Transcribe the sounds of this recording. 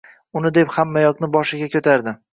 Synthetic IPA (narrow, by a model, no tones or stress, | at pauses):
ʊnɪd̪e̞phamːajɒknɪbɒʃɪɡʲakʲʰɵt̪ʰaɾd̪ɪ